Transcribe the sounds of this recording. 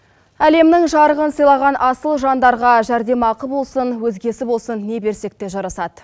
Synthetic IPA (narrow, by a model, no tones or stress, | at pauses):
æle̞mnɪŋʒɑɾəʁənsəjlˠɑʁɑnʔɑsəlˠʒɑnd̪ɑɾʁɑʒæɾd̪e̞mɑqəbo̞lˠsənwɵzɡʲe̞sɪbo̞lˠsənːe̞be̞ɾse̞k̚t̪e̞ʒɑɾɑsɑd̪ə